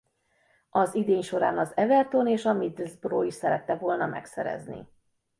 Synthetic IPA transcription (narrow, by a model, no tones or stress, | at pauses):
ɒzid̪eːɲʃo̞ɾaːnɒzɛvɛrt̪oːneːʃɒmid̪zbroːiʃsɛɾɛt̪ːɛvo̞lnɒmɛ̰ksɛ̰ɾɛ̰znḭ